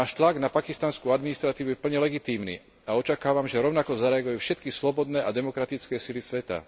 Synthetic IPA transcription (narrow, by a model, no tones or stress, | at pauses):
aːʃt̪laɡnapakist̪anskuad̪minist̪ɾat̪iːʋuɛpl̩ɲɛlɛɡit̪iːmnḭː | aɔt͡ʃakaːʋamʒɛɾɔʊnakɔzaɾɛaɡujufʃɛt̪kislɔbɔd̪nɛːʔad̪ɛmɔkɾat̪it͡skɛːsilisʋɛt̪a̰